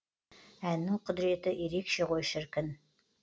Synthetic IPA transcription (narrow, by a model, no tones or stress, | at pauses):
ænːɪŋqʰʊd̪ɾe̞t̪ɪʔeɾekʃe̞ʁojʃɪɾkʲɪn